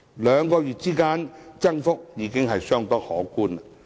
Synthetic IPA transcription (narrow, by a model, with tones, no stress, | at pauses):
lœː˨˧ŋkɔː˧ɥyː˨˩t̚t͡siː˥kaː˧˥nt͡sɐ˥ŋfʊ˥k̚jiː˨˥kɪ˥ŋɦɐ˨jsœː˥ŋt̪ɔː˥hɔː˨˥kuː˥nla˨